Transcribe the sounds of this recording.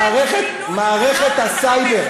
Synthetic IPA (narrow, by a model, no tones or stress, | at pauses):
ʁeχet̪ | maːʁeχet̪asajbeʁ